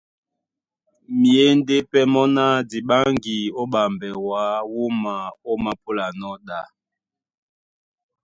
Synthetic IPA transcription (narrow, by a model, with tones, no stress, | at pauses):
mi˨e˦n˦de˦pɛ˦mɔ˦na˦di˨ɓa˦ŋɡi˨o˦ɓa˨mbɛ˨wa˦wu˦ma˨o˦ma˨po˦la˨nɔ˦ɗa˨